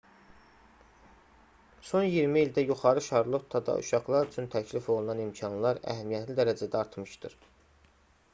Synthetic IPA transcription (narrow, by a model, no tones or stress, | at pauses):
so̞njiɾmiːld̪æjuχɑɾɯʃɑɾlˠot̪ʰːɑd̪ɑ̰ʔṵʃɑχlˠɑɾyt͡ʃʰynt̪ʰæcʰlifo̞lˠunɑnimcʰɑnlˠɑɾæ̰ɦæmijæt̪lid̪æɾæd͡ʒæd̪æɑɾt̪ʰmɯʃt̪ɯɾ